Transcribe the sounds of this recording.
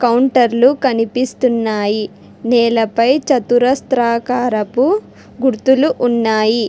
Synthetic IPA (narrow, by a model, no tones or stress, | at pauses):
kɐwɳʈɐɾlukɐnipist̪unːaːji | nɛːlɐpɐjt͡ʃɐt̪uɾɐst̪ɾaːkaːɾɐpu | ɡuɾt̪uluʔunːaːji